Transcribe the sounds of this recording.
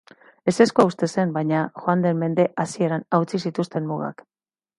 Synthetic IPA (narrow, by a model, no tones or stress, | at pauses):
e̞se̞skoaust̪e̞se̞mbajɲaxoand̪e̞mme̞nd̪e̞ʔasie̞ɾanawt͡sisit̪ust̪e̞mmuɣa̰k